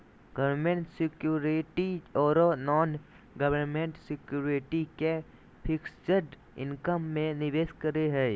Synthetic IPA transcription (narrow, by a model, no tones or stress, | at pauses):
ɡ̥ɐʋɾmẽɳʈsɪkjuːɾɪʈiɔːɾnːɔːn | ɡɐʋənmẽɳʈsɪkjuːɾɪʈike | pʰɪksd͡ʒəɾɖ | ɪ̰̃nkəmːẽnɪʋeːskəɾeɦɛː